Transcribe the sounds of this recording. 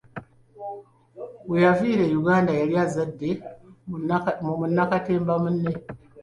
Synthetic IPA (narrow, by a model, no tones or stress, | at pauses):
wujaviɾejuɡandajaɾjazadːe | mumunːakatembamunːe